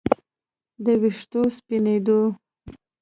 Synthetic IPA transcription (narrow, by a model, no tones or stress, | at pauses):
d̪əwɪʂt̪ospined̪o